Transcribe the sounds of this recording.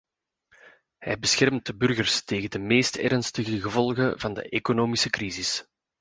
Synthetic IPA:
hɛjbəsxɛrmt̚dəbɵrɣərsteːɣəndəmeːstʰɛɾənstəɣəɣəvɔlˠɣəvɑndə̰ʔekonoːmisəkrizis

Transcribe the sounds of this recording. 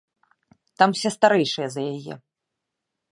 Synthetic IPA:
t̪amwsʲɛst̪aɾɛjʂɨjɐzɐjajɛ̰

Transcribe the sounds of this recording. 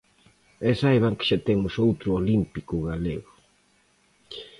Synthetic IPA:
ɛsajβaŋkɪ̥ʃat̪emʊsowt̪ɾʊolimpikʊɣaleɣʊ

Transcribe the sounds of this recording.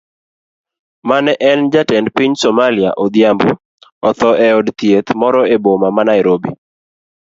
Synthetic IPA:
manɛʔɛnd͡ʒatɛndpiɲsɔmalia̰ʔɔd̪jambṵ | ɔt̪ɔʔɛɔdt̪jet̪mɔɾɔebomamanaɪɾobi

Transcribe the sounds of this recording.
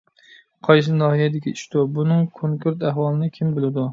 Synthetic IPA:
qʰɒjs̬ɪnɒhijad̪ɪɡʲɪɪʃt̪ʊbʊnɪŋkʰoŋkʰʊɾt̪ahwɒlˠɪnɪkʲʰɪmbɪlˠɪd̪ʊ

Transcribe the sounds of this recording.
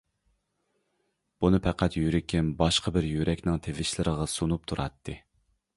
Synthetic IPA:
b̥unɨpʰæqʰæt̪jyɾɪkʲʰɪmbɑʃqɑbɪɾjyɾɛkʲnɪŋt̪ʰevɪʃlɪɾəʁɑsunup̚t̪ʰuɾʔɑ̰t̪ʰːɨ

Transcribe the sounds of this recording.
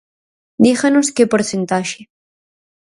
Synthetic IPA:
d̪ixanoskepoɾθent̪aʃe

